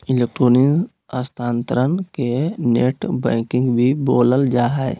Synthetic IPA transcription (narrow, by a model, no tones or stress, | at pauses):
ɪleːk̚ʈɾoːni | əst̪ʰaːnt̪ɾənkeneːʈbɛ̰̃ːkɪ̃ŋɡbʱiboːləld͡ʒaːɦɛ